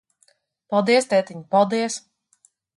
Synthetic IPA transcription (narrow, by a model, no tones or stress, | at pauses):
palˠd̪iɛst̪ɛjt̪iɲpalˠd̪iɛs